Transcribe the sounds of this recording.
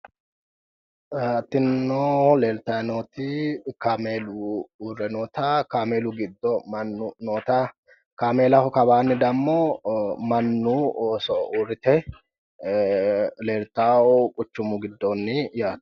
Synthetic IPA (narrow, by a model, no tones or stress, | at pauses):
ɐt̪ːɪnːoːleːlt̪ɐnoːt̪ɪkaːmeːluuɾɛnoːt̪akaːmeːlʊɡɪd̪ːɔmɐnːʊnoːt̪a | kaːmeːlɐɔkɐbaːnːɪd̪ɐmːomɐnːusɔuɾɪt̪ɛ | leːlt̪ːaːɔkʼʊt͡ʃːʊmʊɡɪd̪ːoːnːɪjaːt̪